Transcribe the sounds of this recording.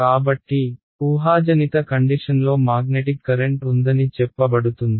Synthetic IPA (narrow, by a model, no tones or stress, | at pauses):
kaːbɐʈːi | uːɦaːd͡ʒɐnit̪ɐkɐɳɖiʂɐnlo̞ːmaːɡneʈikːɐɾeɳʈund̪ɐnit͡ʃɛpːɐbɐɽut̪und̪i